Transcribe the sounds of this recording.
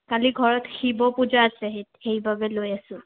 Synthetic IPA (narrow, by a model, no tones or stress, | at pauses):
kaliɡʱɔɹɔtxibɔpud͡ʒaːsɛɦetxejbabɛlojasʊ̃